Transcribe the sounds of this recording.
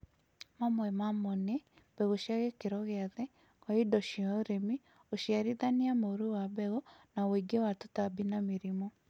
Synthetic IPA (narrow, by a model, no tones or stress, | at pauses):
mamwɛmamone | bɛɣoʃiaɣɛkeɾɔɣɛaðɛ | aidɔʃiɔɾemi | oʃjaɾiðaniamoɾuwaβɛɣɔnawoiɡewatutabinameɾimɔ